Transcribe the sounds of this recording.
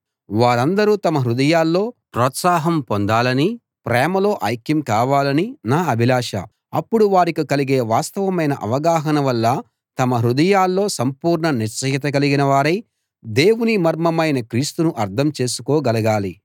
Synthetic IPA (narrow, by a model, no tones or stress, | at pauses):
ʋaːɾɐnd̪ɐɾut̪ɐmɐɦɾud̪ɐjaːlːo̞ːpɾɔːt̪saːɦɐmpond̪aːlɐni | pɾɛːmɐlo̞ːʔɐːjkjɐmkaːʋaːlɐninaːɐbʱilaːʂɐ̰ | ɐpːuɽuʋaːɾikukɐliɡe̞ːʋaːst̪ɐʋɐmɐjnɐʔɐ̰ʋɐɡaːɦɐnɐʋɐlːɐ | t̪ɐmɐɦɾud̪ɐjaːlːo̞ːsɐmpuːɾɳɐnit͡ʃɐjɐt̪ɐɡɐliɡinɐʋaːɾɐj | d̪e̞ːwunimɐɾmɐmɐjnɐkɾiːst̪unuʔɐɾt̪ʰɐmt͡ʃe̞ːsu̥koːɡɐlɐɡaːli